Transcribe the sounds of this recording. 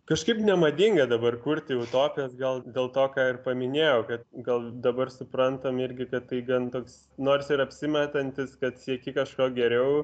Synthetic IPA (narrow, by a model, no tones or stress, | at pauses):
kɐʃkɐɪpnʲɛmɐd̪ʲɪŋɡɐd̪ɐbɐrkuɾʲt̪ʲɪɛʊt̪oːpʲɪjoːsɡɐlˠd̪ʲeːlˠt̪oːkɑːɪrpɐmʲɪnʲeːjɛʊkɐt̪ɡɐlˠd̪ɐbɐrsʊpɾɐnt̪ɐmɪɾʲɡʲɪkɐt̪tːɐɪɡɐnt̪oːks | noːrsɪɾɐpʲsʲɪmʲɛt̪ɐnʲt̪ʲɪskɐt̪sʲiɛkʲɪkɐʃkoːɡʲɛɾʲɛʊ